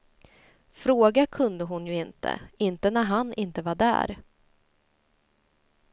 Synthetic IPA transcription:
fɾoːɡakʰɵnd̪əɦʊnjɵɪnt̪ʰə̰ɪnt̪ənæɾɦanɪnt̪əvaɖæ̰ːɾ

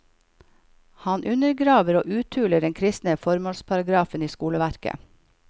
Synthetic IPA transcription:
hɑnʔʉnəɾɡɾɑːʋəɾo̰ːʔʉːt̪ʰʉːləɖɛŋkʰɾɪst̪nəfɔɾmoːlspʰɑɾɑɡɾɑːfəniːskuːləʋæɾkə̰

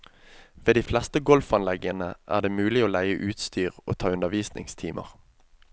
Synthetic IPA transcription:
ʋeːd̪iːflɛst̪əɡɔlfɑnlɛɡənəʔæ̰ːʁd̪eːmʉːlɪoːlæɪəʔʉːt̪st̪yːʁo̰ːt̪ʰɑːʉnəʁʋiːsnɪ̰ŋst̪ʰiːmʔə̰ʁ

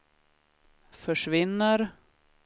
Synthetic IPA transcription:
fœʂvɪnːəɾ

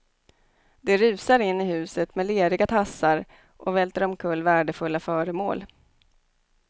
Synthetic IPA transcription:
d̪̥ɛɾʉ̟ːsaɾɪnːɪɦʉ̟ːsət̪mɛleːɾɪɡat̪ʰasːaɾ | ʔɔvɛlt̪əɾɔmkʰɵlːvæːɖəfɵlːafœːɾəmoːl

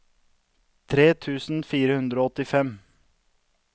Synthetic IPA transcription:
t̪ʰɾeːt̪ʰʉːsn̩fiːɾəhʉnd̪ɾoːɔt̪ɪfɛm

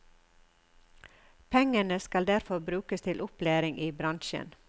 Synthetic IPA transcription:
pʰɛŋənəskɑld̪æɾfɔɾbɾʉːkəst̪ʰɪlʔʊpleːɾɪŋʔiːbɾɑnʃə̰n

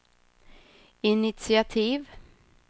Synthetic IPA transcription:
ɪnɪt̪sɪat̪ʰiːv

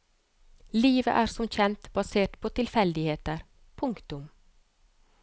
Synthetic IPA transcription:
liːʋə̰ʔæːɾsɔmçɛnt̪bɑseːʈpʰoːt̪ʰɪlfɛld̪ɪheːt̪əɾ | pʰʊŋkt̪ʊm

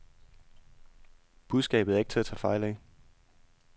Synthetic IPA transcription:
b̥uðˠsɡ̥ɛ̰ːb̥ð̩ˠæɐe̝ɡ̥̚t͡sʰe̝æɐt͡sʰɛːfɑ̈ɪ̰lɛɪ

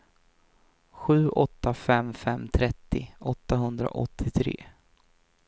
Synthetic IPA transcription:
ɧʉ̟ːʔɔt̪ːafɛmfɛmːt̪ʰɾɛt̪ːɪʔɔt̪ːaɦɵnd̪ɾa̰ʔɔt̪ʰːɪt̪ʰɾḛː

